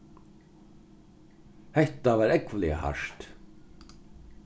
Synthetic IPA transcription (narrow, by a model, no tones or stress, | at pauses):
hɛht̪avaɾɛkvlɪa̰ha̰ʂt̪